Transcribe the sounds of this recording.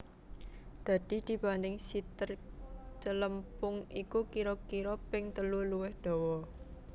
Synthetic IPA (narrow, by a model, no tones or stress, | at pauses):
d̪̥a̤d̪̥i̤d̪̥i̤b̥anɪŋsit̪ərt͡ʃələmpʊŋikukiɾɔkiɾɔpɪŋt̪əluluwɪhd̪̥ɔ̤wɔ